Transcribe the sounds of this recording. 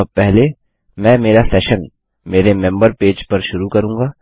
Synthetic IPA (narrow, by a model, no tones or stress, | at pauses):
pɛɦle | mɛ̃ːmeːɾasɛːʃən | meːɾemɛ̃mbəɾpeːd͡ʒpɐɾʃʊɾukɐɾũːŋ̆ɡaː